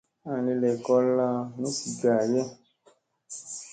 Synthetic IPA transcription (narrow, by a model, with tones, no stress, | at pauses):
a˦˨le˧lɛ˨kɔ˧la˧nũ˦si˨ɡa˨jɛ˦